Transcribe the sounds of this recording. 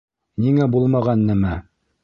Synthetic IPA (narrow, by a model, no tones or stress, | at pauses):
niŋæbulˠmɑʁɑnːɘmæ